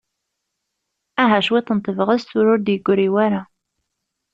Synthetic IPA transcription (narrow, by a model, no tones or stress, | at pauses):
æɦæʃwit̪ːənt̪ˤːəvəʁæsθʊɾʊɾd̪jəɡːʊɾiwæɾa